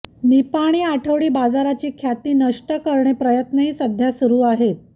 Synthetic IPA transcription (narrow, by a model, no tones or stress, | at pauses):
nipaɽ̃iːaʈʰəʋɽiːbad͡zaɾat͡ɕiːkʰjat̪iːnəʂʈəkəɾɳepɾəjət̪nəɦiːsəd̪ʱjasuɾuːaɦet̪̚